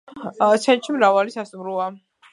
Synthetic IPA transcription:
t̪sʰɛnt͡ʃʰimɾavalisast̪ʼmɾua

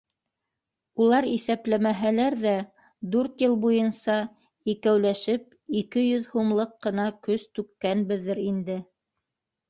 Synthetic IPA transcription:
ulˠɑɾiθæplæmæɦælæɾðæ | d̪ʉɾt̪jɤlˠbujɤnsɑ | ikæwlæʃɘp̚ikɘjɵðhumlˠɤqːɤ̆nɑkɵst̪ʉkːænbɘðːɘɾind̪ɘ

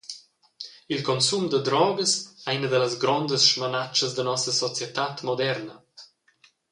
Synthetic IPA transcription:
ilkɔnsumd̪əd̪ɾɔɡəsɛinəd̪ələzɡɾɔnd̪əsʃmanat͡ʃəzd̪ənɔsəsɔt͡sjɛt̪at̪mod̪ɛrnə

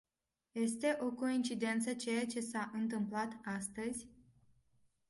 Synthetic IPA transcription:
je̞st̪e̞ʔo̞ko̞int͡ʃid̪e̞nt̪sət͡ʃe̞jat͡ʃe̞saʔɨnt̪ɨmplat̪ast̪əzʲ

